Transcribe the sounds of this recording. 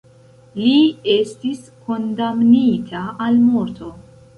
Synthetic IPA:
lie̞stisko̞ndamnitʰaːlmo̞ɾtʰo̞

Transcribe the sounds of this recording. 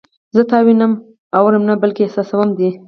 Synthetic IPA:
zət̪ɑwinəm | awɾəmnabəlkesɑsawəmd̪i

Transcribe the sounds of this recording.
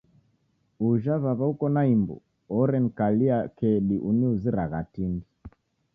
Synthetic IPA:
uʒaβaβaukɔnaimbṵ | ɔɾɛnkaliakɛɗiʔuniuziɾaɣatindi

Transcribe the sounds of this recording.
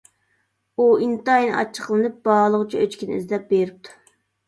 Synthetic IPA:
uint̪ɑjnɨʔɑ̰t͡ʃʰːə̥qlˠɨnɨp̚bɑʁlˠəʁɨt͡ʃʰiøt͡ʃkʲinɪḭzd̪ɛp̚beɾɪp̚t̪ʰu̥

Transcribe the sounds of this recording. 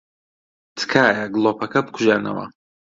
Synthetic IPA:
tʰkʰaːjaɡlopʰɐkʰɐp̚kʷʰʒanɐ̰wa̰

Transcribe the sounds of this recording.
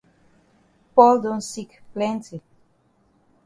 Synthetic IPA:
pɔld̪onsikplɛnt͡si

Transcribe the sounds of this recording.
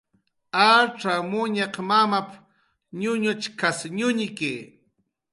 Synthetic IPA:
aʈ͡ʂamʊɲaqmamap | ɲʊɲʊt͡ʃkasɲʊɲɪke

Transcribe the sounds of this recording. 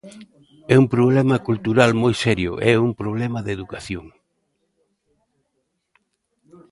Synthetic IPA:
ɛumpɾoβlɛmɐkult̪uɾalmojsɛɾjʊ̰ʔɛumpɾoβ̞lɛmɐðeðukaθjoŋ

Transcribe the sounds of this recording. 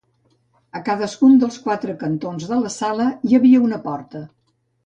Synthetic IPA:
əkaðəskund̪əlˠskwat̪ɾəkənt̪onzðələsaləjəβiəunəpɔrt̪ə

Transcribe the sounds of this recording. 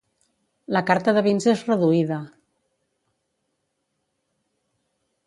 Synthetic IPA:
ləkaɾt̪əðəβinzezrəðuiðə

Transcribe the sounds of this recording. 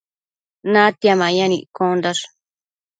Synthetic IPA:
nãt̪jamãjãnĩʔkond̪aʂ

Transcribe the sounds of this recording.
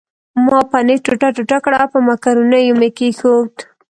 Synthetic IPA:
mɑpaneʈʊʈaʈʊʈakɽapəmakaɾunajumekexod̪

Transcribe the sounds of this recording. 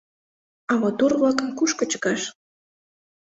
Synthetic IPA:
ɑmot̪urβlɑkənkuʃkə̆t͡ɕə̥kɑʃ

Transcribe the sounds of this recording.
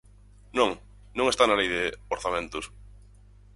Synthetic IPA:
nõŋ | nõŋest̪analejðeoɾθamẽnt̪ʊs

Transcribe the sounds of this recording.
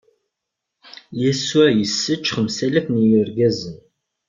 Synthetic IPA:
jæsuæjəsːət͡ʃːχmsælæθnijʊɾɡæzən

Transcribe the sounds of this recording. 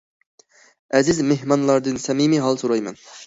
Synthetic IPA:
ɛzɪzmehmɑnlˠɑɾd̪ɨnsɛmimiɦɑlˠsoɾɑjmɛ̰n

